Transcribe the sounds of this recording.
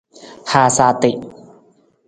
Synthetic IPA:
haː˨˧saː˧t̪ɪ˨ʔ

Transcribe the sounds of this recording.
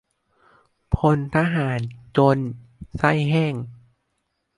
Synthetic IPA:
pʰo˧nt̪ʰaː˧ɦaː˩˦nt͡ɕo˧n | sa˥˩jɦɛː˥˩ŋ

